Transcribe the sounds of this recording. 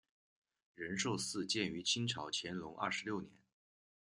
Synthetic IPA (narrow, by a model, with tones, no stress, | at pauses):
ɻə˧˥nʂo˥˧ʊsɹ̩˥˧t͡ɕjɛ˥˩ny˧˥t͡ɕʰi˥nʈ͡ʂʰɑ˧˥ʊt͡ɕʰjɛ˧˥nlʊ˧˥ŋʔɐ̰˥˩ʂ̩˧˥ljʊnjɛ˧˥n